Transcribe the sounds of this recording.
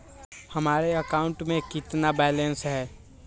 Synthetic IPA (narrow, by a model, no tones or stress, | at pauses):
hɐmaːɾeəkaːʊ̃ɳʈmẽkɪt̪nabɛːlẽnsɦɛː